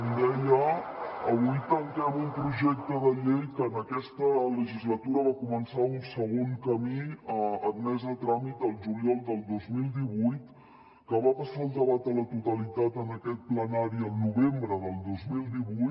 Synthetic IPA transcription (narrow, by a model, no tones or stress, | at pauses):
md̪ɛʎəəβ̞ujt̪əŋkɛmumpɾuʒɛk̚t̪əðəʎejkəːnəkɛst̪ələʒizlət̪uɾəβakumənsaunsəɣ̞oŋkəmiəənmɛzət̪ɾamit̪əlˠʒuliɔlˠd̪əlˠd̪ozmilˠd̪iβujt̪ | kəβapəsaəlˠd̪əβat̪ələt̪ut̪əlit̪at̪ənəkɛt̪̚plənaɾiəlˠnuβembɾəðəlˠd̪ozmilˠd̪iβujt̪